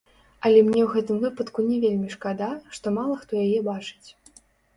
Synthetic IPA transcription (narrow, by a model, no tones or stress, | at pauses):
ɐlʲɛmnʲɛwɣɛt̪ɨmvɨpɐt̪kunʲɛvʲelʲmʲiʂkad̪aʂt̪ɔmalˠɐxt̪ɔjajɛbat͡ʂɨ̥t͡sʲ